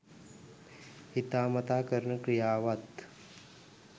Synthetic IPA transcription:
hit̪aːmɐt̪aːkəɾɳəkɾijaːʋat̪

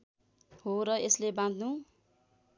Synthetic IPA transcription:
hoɾʌeslebãd̪ʱnu

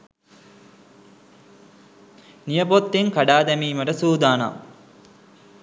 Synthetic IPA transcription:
nijəpot̪ːeŋkaɖaːd̪ɛmiːməʈəsuːd̪aːna̰m

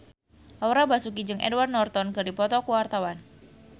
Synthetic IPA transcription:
lɔwɾabasukid͡ʒɨŋʔɛ̰dwarnɔrt̪ɔnkərdipɔt̪ɔkuwart̪awan

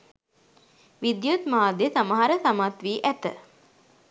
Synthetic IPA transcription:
ʋid̪jut̪maːd̪jəsaməɦaɾəsamat̪ʋiːʔæt̪ə̰

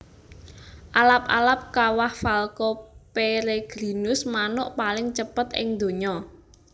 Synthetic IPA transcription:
ʔalap̚a̰lap̚kawahfalkɔpeɾeɡ̥ɾi̤nʊsmanʊʔpalɪŋt͡ʃəpət̪ʔɪ̰ŋd̪̥o̤ɲɔ

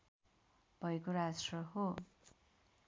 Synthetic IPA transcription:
b̥ʱʌekoɾasrʌɦo

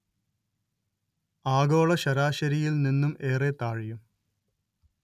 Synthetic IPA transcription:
aːɡoːɭɐɕɐɾaːɕɐɾijilninːume̞ːret̪aːɻijum

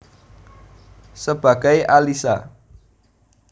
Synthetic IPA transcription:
səb̥a̤ɡ̥a̤jʔalisa̰

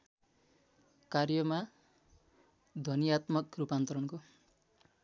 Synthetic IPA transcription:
karjʌma | d̪ʱʌnijat̪mʌkrupant̪ʌɾʌnko

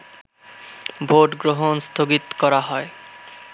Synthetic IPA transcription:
bʱoʈɡɾoɦonst̪ʰoɡit̪kɔɾaɦɔe

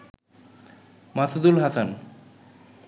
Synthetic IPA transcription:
masʰud̪ulɦasan

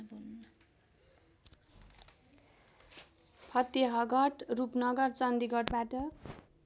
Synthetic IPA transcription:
pʰʌt̪ːeɦʌɡʌʈrupnʌɡʌrt͡sʌnd̪iɡʱʌʈbaʈʌ

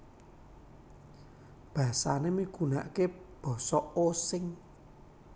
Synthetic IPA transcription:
b̥a̤sanemiɡ̥una̰ʔkeb̥ɔ̤sɔosɪŋ

